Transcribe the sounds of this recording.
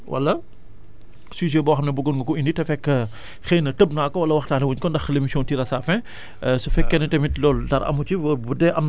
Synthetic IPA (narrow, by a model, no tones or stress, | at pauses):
wʔɐ̰lːɐ | siʒ̬ɛbɔːxɐmnɛbuɡonɡɐkuinditɛfɛkːɐ | xejnɐtəb̚naːkːɔwɐlːɐwɐxtaːnɐwuɲkɔndɐxlemisjɔ̃ːntiɾɐsaːfɛ̃ | sufɛkːɛnɛtɛmitlɔːltɐɾʔɐ̰mucibudɛʔɐm